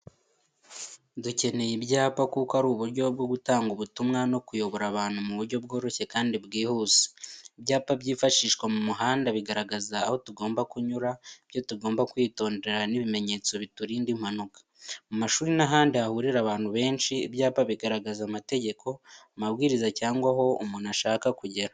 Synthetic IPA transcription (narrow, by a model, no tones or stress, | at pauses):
duce̞ne̞jibɟaːpakukoaɾuːβuɾɟo̞bɡo̞ɡutaːŋɡuβutumŋano̞kujo̞βo̞ɾaβaːnhumuβuɾɟo̞b̚ɡo̞ːɾo̞çe̞kaːndibɡiːhuze̥ibɟaːpabɟiːfaʃiːʃkwamumuɦaːndaβiɡaɾaɡazaːho̞tuɡo̞ːmbakuɲuɾaibjo̞tuɡo̞ːmbakwiːto̞ːnde̞ɾaniβime̞ɲe̞ːt͡so̞βituɾiːndim̥hanukḁ | mumaʃuːɾinaɦaːndiahuɾiɾaβaːnhuβe̞ːnʃiḭbɟaːpaβiɡaɾaɡazamate̞ɟe̞kʰo̞ | maβɡiːɾizacaːŋɡwaɦo̞ṵmunaʃaːkakuɟe̞ɾa